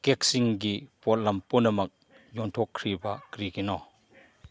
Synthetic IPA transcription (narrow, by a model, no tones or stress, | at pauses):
kek̚siŋɡipɔt̚lɐmpunɐmɐk̚ | jɔntʰɔkʰːɾibɐkɾikinɔ